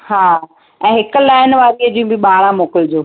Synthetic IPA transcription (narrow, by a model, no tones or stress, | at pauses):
haː | ɛ̃ːɦɪkʊ̆laːɪnʋaːɾiəd͡ʑĩũbɪɓaːɾãmoːkɪld͡ʑoː